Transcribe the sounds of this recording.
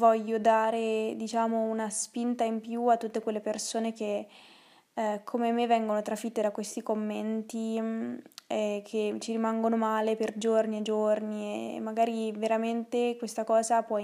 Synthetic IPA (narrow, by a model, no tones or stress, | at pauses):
vɔʎːod̪aːɾed̪it͡ʃaːmounaspint̪aimpjuat̪ːut̪ːekwelːepersoːneke | kʰːomemːevːɛŋɡonot̪ɾafit̪ːed̪akwest̪ikomːent̪i | kʰet͡ʃiɾimaŋɡonomaːleperd͡ʒorniad͡ʒorniḛmːaɡaːɾiveɾament̪ekwest̪akɔːzapwɔ